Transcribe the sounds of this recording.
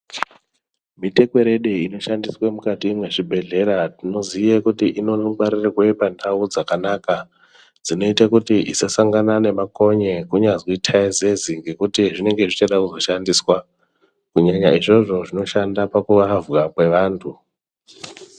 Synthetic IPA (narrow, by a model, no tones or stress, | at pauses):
mite̞kwe̞ɾe̞ɗeino̞ʃandiswemukatimwe̞ʐibʱe̞ɮe̞ɾatino̞zijekutiʔino̞noɓaɾirirwe̞pandʱaud͡zakanaka | d͡zino̞itakutiʔisasaŋɡanane̞mako̞ɲe̞kuɲad͡zwoitʰaize̞ziŋɡe̞kutiʐine̞ŋɡe̞ʐit͡ʃaɗakuzo̞ʃandiswa | kuɲaɲaiʐo̞ʐo̞ʐino̞ʃandapakuʋavwakwe̞ʋaːntʰu